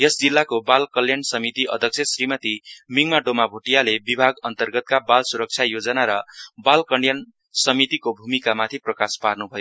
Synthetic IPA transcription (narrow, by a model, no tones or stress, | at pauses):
jʌsd͡zilːakobalkʌljansʌmit̪iʔʌ̰d̪ʱʌk̚sʰesrimʌt̪imiŋmaɖomabʱoʈijalebibʱaɡʌnt̪ʌrɡʌt̪̚kabalsuɾʌk̚t͡sʰjajod͡zʌnaɾʌbalkʌɳɖjʌn | sʌmit̪ikobʱumikamat̪ʰiprʌkasparnubʱʌjo